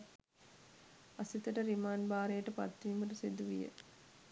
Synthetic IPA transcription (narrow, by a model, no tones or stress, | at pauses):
asit̪əʈəɾimaːnbaːɾejəʈəpa̰t̪ːiːməʈəsid̪uʋḭjə̰